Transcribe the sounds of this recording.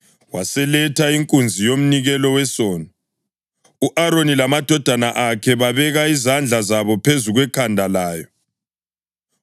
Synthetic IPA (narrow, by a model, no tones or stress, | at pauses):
wasɛlɛtʰaiŋkʼund͡zʱijom̩niɣɛlɔwɛsɔːna | uʔaɾonilamad̥ʱɔd̥ʱanaʔakʰɛβaβɛɣaizand͡ɮʱazaβɔpʰezuɣwɛkʰandʱalaːjɔ